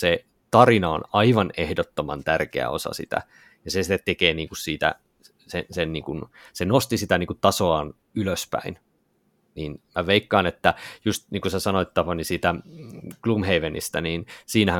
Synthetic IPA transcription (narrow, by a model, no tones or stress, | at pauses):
se | t̪ɑrinɑo̰nɑiʋɑnehdot̪ːomɑ̰nt̪ærkḛæ̰o̰sɑ̰sḭt̪æ̰ | jɑsesit̪ːet̪t̪ːekeːniːŋkussiːt̪æ̰ | sensenniːŋkunsenost̪isit̪æniːŋkutt̪ɑsoɑːn | yløspæ̰in | niːnmæʋeikːɑːnet̪ːæjust̪niːŋkusesɑnoit̪t̪ɑpɑnisiːt̪æklumheiʋenḭst̪æniːnsiːnæhæ̃